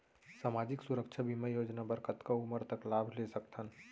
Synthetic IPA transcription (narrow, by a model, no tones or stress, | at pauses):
saːmaːd͡ʒɪksʊɾəkʃʰabʱiməjoːd͡ʒnabəɾkət̪kaʊməɾt̪əklaːbʱlesəkt̪ʰən